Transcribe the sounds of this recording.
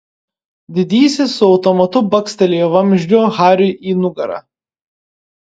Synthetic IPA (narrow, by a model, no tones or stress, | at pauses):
d̪ʲɪd̪ʲiːsʲɪsʊɒʊt̪ɔmɐt̪ʊbɐksʲt̪ʲɛlʲeːjɛʋɐmʲʒʲd͡ʒʲoːɣɑːɾʲʊʔiːnʊɡɐɾɑ̰ː